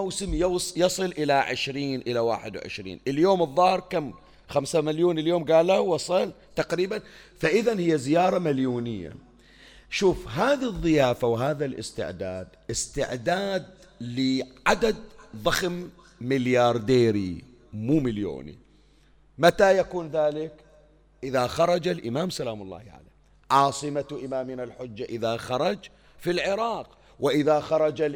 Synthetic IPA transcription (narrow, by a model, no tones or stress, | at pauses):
awsɪmjjɑsˤɨlʔɪlaʕɪʃɾiːnʔɪlawa̰ːħɪd̪wʕɪ̰ʃɾḭːnʔɪljoːmɨðˤːɑhɨɾkam | xamsamaljuːnɪljoːmɡaːlːahwɑsˤɨl | t̪aqɾiːbanfaʔɪðanhɪjːazɪjɑːɾˤɑmaljuːnɪjːa̰ | ʃuːfɦaːðiðˤːɨjaːfawɦaːðalʔɪ̰st̪ɪ̰ʕd̪aːd̪ʔɪst̪ɪ̰ʕd̪aːd̪̚ | lɪʕad̪ad̪ðˤɑxmː | ɪljɑːɾˤd̪eːɾi | muːmɪljo̰ːnḭ | mat̪ajakuːnðaːlɪk | ʔɪðaxɑɾˤɑd͡ʒalʔɪmaːmsalaːmʊlˤːɑ̰ːhʕa̰lḛː | ʕɑːsˤɨmaʔɪmaːmɪnalħʊd͡ʒːaʔɪðaxɑɾˤɑd͡ʒ | filʕɪɾɑːq | wɪʔɪðaxɑɾˤɑd͡ʒa